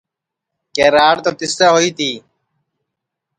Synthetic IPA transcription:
keːɾaːɾt̪oːt̪ɪst̪aːɦoiːt̪iː

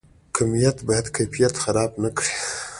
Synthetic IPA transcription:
kʰamijat̪bahad̪kʰafijat̪xaɾɑbnakɽi

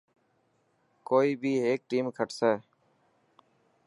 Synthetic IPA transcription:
koːiːbʱiːɦeːk̚ʈiːmkʰəʈsɛː

